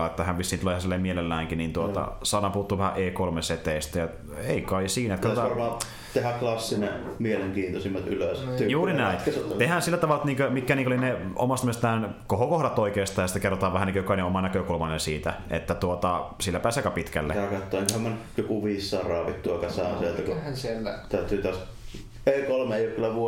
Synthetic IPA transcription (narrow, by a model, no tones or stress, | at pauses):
ɑet̪ːæhæʋʋisːint̪ulehæsilːemmielelːæːŋkinint̪uot̪ɑ̰sɑnɑpuhut̪ːuːʋæhæʔeːkolmeset̪eist̪æjɑ | eˑikɑisiːnæet̪kæt̪ot̪ɑɑrmɑː | t̪ehæklɑsːinemieleŋkiːnt̪osimːɑt̪yløst̪yjuːɾinæˑint̪ehænsilːæt̪ɑʋɑlɑt̪niːŋkømikːæniːŋkolineo̰mɑst̪mest̪æːnkohokohdɑt̪oikeːst̪ɑːjsit̪ækerːot̪ɑːʋæhænikøkɑˑineomɑnækøkulmɑinensiːt̪æʔḛt̪ːæt̪uot̪ɑsilːæpæːsekɑpit̪kæ̰lːḛɑkɑt̪ːoːˑeŋkhæmmæn | jokuʋiːsːɑːrɑːʋit̪t̪ːuɑkɑsɑˑːnsielt̪ækuænsielːæt̪æˑyt̪ːˑyːt̪æs | eˑikolmeeˑijˑokylːæʋuo